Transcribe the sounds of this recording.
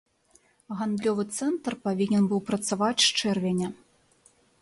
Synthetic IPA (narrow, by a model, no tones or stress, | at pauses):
ɣand̪lʲɔvɨt̪sɛnt̪rpavʲinʲɛnbɨwpɾɐt̪savat͡sʲʃt͡ʂɛrvʲɛnʲɛ